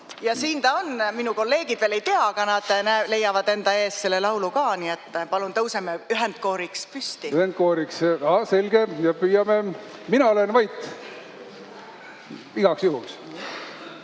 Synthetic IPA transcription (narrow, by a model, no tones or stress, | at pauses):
jɑsiːnt̪ɑonminuko̞lːe̞ːɡ̥id̪̥veːle̞jt̪eɑɑkɑnɑd̪̥næle̞jːɑvɑd̪e̞nd̪ɑe̞ːsse̞lːe̞lɑwlukɑːniet̪ːpɑlunt̪ɤwsemeyɦɛnd̪̥̚ko̞ːɾikspyst̪iyhend̪̚koːɾiksɑse̞lɡ̥ejɑpyːjɑme | minɑolenvɑjt̪ːˑ | iɡ̥ɑksjuhuks